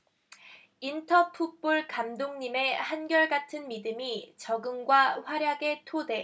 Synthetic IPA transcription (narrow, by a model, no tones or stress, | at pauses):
intʰʌpʰup͈uɭkamdoŋɲime̞hanɡjʌɭɡatʰɯnmidɯmit͡ɕʌɡɯmɡwaɸwaɾjaɡe̞tʰode̞